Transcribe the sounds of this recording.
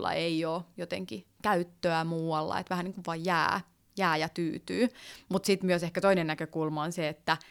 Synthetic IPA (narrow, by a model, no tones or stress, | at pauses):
lːɑ̰ʔeioːjot̪ḛŋkikæyt̪ːøæmuːwɑlːɑ̰ḛt̪ʋæhæniŋkuʋʋɑjjæ̰ː | jæːjɑt̪yːt̪yːmut̪sit̪myøsehkæt̪oinennækøkulmɑonseet̪ːæ